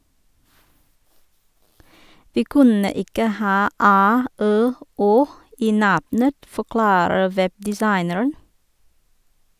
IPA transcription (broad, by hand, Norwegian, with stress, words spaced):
ˈʋiː ˈkʉnə ˈɪkə ˈhɑː ˈæː ˈøː ˈoː ˈiː ˈnɑbnət fɔˈklɑːɾə ˈʋɛbdɪˌsɑɪnəɹən